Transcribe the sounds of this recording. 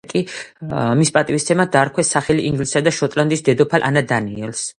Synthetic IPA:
kʼi | mispʼat̪ʼivist̪sʰɛmad̪aːɾkʰwɛsaχɛliʔiŋɡlisad̪aʃɔt̪ʼland̪isd̪ɛd̪ɔpʰalʔa̰nad̪aniɛls

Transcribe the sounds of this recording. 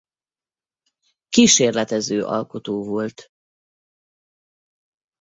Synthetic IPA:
kiʃeːrlɛt̪ɛzøːʔɒ̰lko̞t̪oːvolt̪

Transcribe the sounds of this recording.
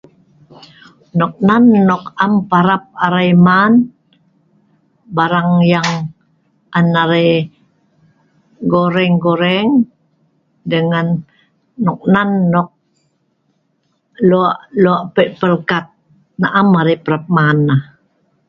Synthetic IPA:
nɔk̚nanːɔkampaɾap̚aɾajman | baɾaŋjaŋ | ʔanaɾaj | ɡoɾɛŋɡoɾɛŋ | dəŋanː | ɔk̚nanːɔk̚ | luaʔluaʔpəʔpəlkat̪̚ | naʔamaɾipəɾap̚manːa

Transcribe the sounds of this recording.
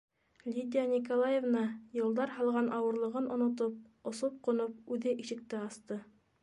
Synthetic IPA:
lʲid̪ʲijanʲikolˠajevnɑjɤ̆lˠd̪ɑɾhɑlˠʁɑnʔɑwɤ̆ɾlˠɤ̆ʁɤnʔŏnŏt̪̬op̚ŏsop̚qŏnop̚ʉðɘʔiʃɘ̆k̚t̪ɘɑst̪ɤ

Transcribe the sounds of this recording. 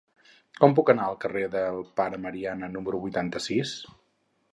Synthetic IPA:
kɔmpukənaəlˠkəreðəlˠpaɾəməɾianənuməɾuβujt̪ant̪əsis

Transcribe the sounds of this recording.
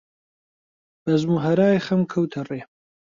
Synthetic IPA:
b̥ɐzmuɦɐɾaːjxɐmkʰɐwt̪ʰɐreː

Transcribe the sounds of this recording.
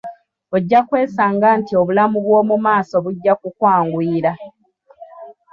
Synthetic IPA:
oɟːakwe̞ːsaːŋɡaːntio̞βulamuβwo̞ːmumaːso̞βuɟːakukwaːŋɡwiːɾa

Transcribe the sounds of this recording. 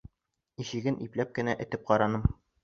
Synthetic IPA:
iɕɘ̆ɡɘnʔiplæp̚kɘ̆næʔɘ̆t̪ɘp̚qɒɾɑnɤm

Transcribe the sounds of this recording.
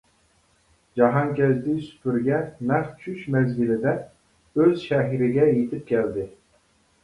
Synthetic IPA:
d͡ʒɑɦɑŋkʲɛzd̪isy̥pʰyɾɡʲɛnæχt͡ʃʰyʃmɛzɡʲɪlɪd̪ɛ | øzʃɛɦiɾɪɡʲɛjet̪ʰɪp̚kʲʰɛld̪ɪ

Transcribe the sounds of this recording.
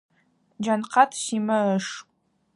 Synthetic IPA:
d͡ʒanqʰɑtʰʃimɐəʂ

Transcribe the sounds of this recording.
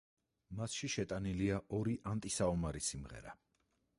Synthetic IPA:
masʃiʃɛt̪ʼaniliaʔɔɾiʔant̪ʼisaɔmaɾisimʁɛ̰ɾa

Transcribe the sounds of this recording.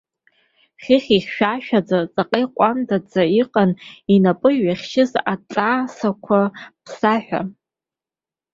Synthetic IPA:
χʲɪχʲiχʲʃᶣaʃᶣad͡zat͡sʼaqʼejqʷʼamdad͡zaiqʼaninapʼɨɥaχʲʃɪzat͡sʼaːsakʷʰapʰsaħʷᶣa̰

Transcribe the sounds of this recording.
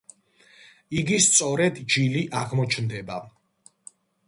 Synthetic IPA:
iɡist̪sʼɔɾɛd̪d͡ʒiliʔaʁmɔt͡ʃʰnd̪ɛba

